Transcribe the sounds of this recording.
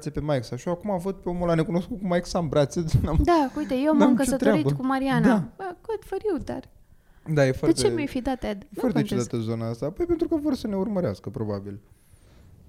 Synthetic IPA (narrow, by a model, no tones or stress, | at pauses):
t̪sepe̞maeksaʃioakumavət̪̚peo̞mulane̞kuno̞skut̪̚kumajksambɾat̪seonamd̪aujt̪ejewmamkəsesət̪oeaɾitbəkumaɾianaaɡod̪fəɾiwd̪a̰r | d̪ajefoaett͡ʃ̪t͡ʃeemjajfid̪at̪ed̪jefwart̪et͡ʃzat̪əzo̞naast̪aːpo̞jpe̞nt̪ɾukəvorsəne̞urməɾea̰skəpɾo̞babil